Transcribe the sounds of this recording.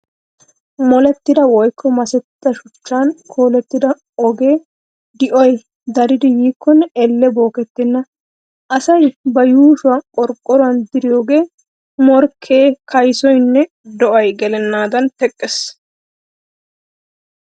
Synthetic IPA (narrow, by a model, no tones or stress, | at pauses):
mɔlɛt̪ːɪd̪ɐwɔjkʰːɔmɐsɛt̪ːɐʃʊt͡ʃːaːnkʰo̞ːlɛt̪ːɪd̪ɐ | ɔɡe̞ː | d̪ɪʔɔj | d̪ɐɾɪd̪ɪjiːkːɔnːɛɛlːɛbo̞ːkɛt̪ːɪnːɐ | ʔɐsɐjbɐjuːʃʊwɐkʼɔɾkʼːɔɾʊwɐnd̪ɪɾɪjo̞ːɡe̞ː | mɔɾkʰːe̞ːkʰɐjsɔjnːɛ | d̪ɔʔɐjɡɛlɛnːaːd̪ɐnt̪ɛkʼːɛs